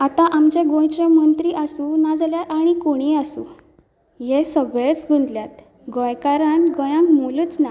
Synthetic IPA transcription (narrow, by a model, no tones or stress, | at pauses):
at̪ãʔamt͡ɕeɡõjt͡ɕẽmənt̪ɾiʔasunad͡zljaaɽ̃ikoɽ̃iasṵ̃ | jesəɡɭet͡sɡʱund̪ljat̪ | ɡɔ̃jkaɾãnɡɔjãŋkmolut͡sna